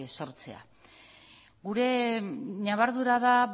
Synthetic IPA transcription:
eso̞ɾt͡se̞̰a̰ | ɣuɾe̞naβaɾðuɾaða

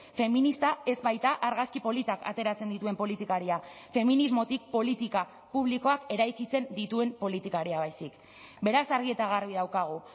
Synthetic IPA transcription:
fe̞minist̪ae̞zβajt̪aʔaɾɣaskipo̞lit̪aka̰t̪e̞ɾat͡se̞nd̪it̪ue̞mpo̞lit̪ikaɾia | fe̞minizmo̞t̪ik̚po̞lit̪ika | puβ̞liko̞ake̞ɾajkit͡se̞nd̪it̪ue̞mpo̞lit̪ikaɾiaβajsik | be̞ɾasaɾɣ̞ie̞t̪aɣ̞arβiðawkaɣ̞u

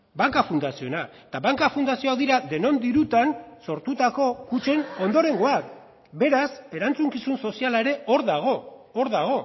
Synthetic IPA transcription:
baŋkafund̪asionaet̪aβaŋkafund̪asio̞aðiɾaðe̞no̞nd̪iɾut̪anso̞ɾt̪ut̪ako̞kut͡ʃe̞no̞nd̪o̞ɾe̞ŋɡo̞at | be̞ɾase̞ɾant͡suŋkisunso̞sialaeɾe̞ʔo̞ɾðaɣ̞o̞ː | ɾðaɣ̞o̞

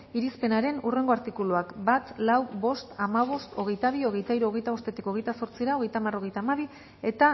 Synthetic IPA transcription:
iɾispe̞naɾe̞nure̞ŋɡo̞aɾt̪ikuluakbat̪lawbo̞st̪amaβ̞o̞st̪o̞ɣ̞e̞jt̪aβ̞io̞ɣ̞e̞jt̪aiɾuoɣejt̪aost̪e̞t̪iko̞ɣ̞e̞jt̪aso̞ɾt͡siɾao̞ɣ̞e̞jt̪amaro̞ɣ̞e̞jt̪aːmaβ̞i | e̞t̪a

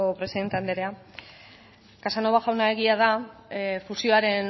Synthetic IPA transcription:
opɾesiðe̞nt̪e̞and̪eɾe̞a | kasano̞βaʝawnae̞ɣ̞iað̞a | fusio̞aɾe̞n

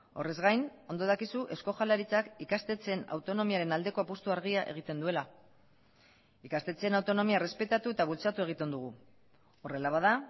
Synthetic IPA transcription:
o̞̰re̞zɣajno̞nd̪o̞ðakisuʔe̞sko̞ʝalaɾit͡sakikast̪e̞t͡se̞na̰wt̪o̞no̞miaɾe̞nald̪e̞ko̞apust̪uaɾɣiaʔe̞̰ɣ̞it̪e̞nd̪ue̞la | ikast̪e̞t͡senawt̪o̞no̞miare̞spe̞t̪at̪uet̪aβult͡sat̪ue̞ɣ̞it̪e̞nd̪uɣ̞u | o̞re̞laβaða

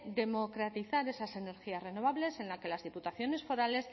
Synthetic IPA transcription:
d̪e̞mo̞kɾat̪iθaɾe̞sase̞ne̞ɾxiasre̞no̞β̞aβle̞se̞nlake̞lazðiput̪aθjo̞ne̞sfo̞ɾale̞s

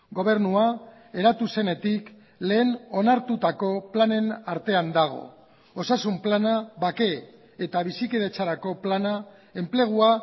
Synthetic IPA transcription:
ɡo̞β̞e̞ɾnua | e̞ɾat̪use̞ne̞t̪ik | le̞ːno̞naɾt̪ut̪ako̞plane̞naɾt̪e̞and̪aɣ̞o̞̰ | osasumplanaβake̞ | et̪aβ̞isikeðe̞t͡saɾako̞plana | e̞mple̞ɣ̞ua

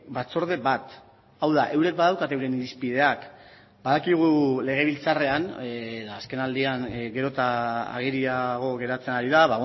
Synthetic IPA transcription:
bat͡so̞ɾð̞e̞βat̪ | awðaʔe̞wɾe̞k̚baðawkat̪ewɾe̞niɾispið̞e̞ak | baðakiɣ̞ule̞ɣ̞e̞β̞ilt͡sare̞anːðaːske̞nald̪iaŋɡe̞ɾo̞t̪aa̰ɣ̞iɾiaɣ̞o̞ɣe̞ɾat͡se̞naɾiðaβa

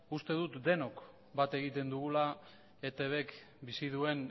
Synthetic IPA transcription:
ust̪e̞ð̞ut̪d̪e̞no̞k | bat̪e̞ɣit̪e̞nd̪uɣula | et̪eβe̞k | bisið̞ue̞n

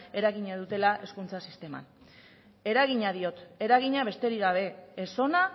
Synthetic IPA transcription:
e̞ɾaɣiɲaðut̪e̞laʔe̞skunt͡sasist̪e̞ma̰n | e̞ɾaɣ̞iɲaðio̞t̪e̞ɾaɣiɲaβ̞e̞st̪e̞ɾiɣaβ̞e̞ːso̞na

